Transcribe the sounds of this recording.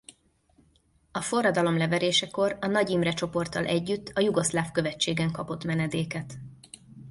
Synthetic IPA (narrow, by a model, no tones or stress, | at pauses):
ɒfo̞rːɒd̪ɒlo̞mlɛvɛɾeːʃɛko̞rɒnɒɟimrɛt͡ʃo̞po̞rt̪ɒ̰lʔɛɟːyt̪ːɒjuɡoslaːfkø̞vɛt͡ʃːeːɡɛŋkɒpo̞t̪mɛnɛd̪eːkɛt̪